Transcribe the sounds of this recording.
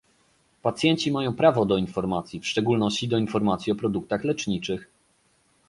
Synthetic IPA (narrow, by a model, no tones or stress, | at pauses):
pat̪sʲjɛɲt͡ɕimajɔ̃w̃pɾavɔd̪ɔinfɔɾmat̪sʲjifʂt͡ʂɛɡulnɔɕt͡ɕid̪ɔinfɔɾmat̪sʲiɔpɾɔd̪uk̚t̪axlɛt͡ʂɲit͡ʂɘx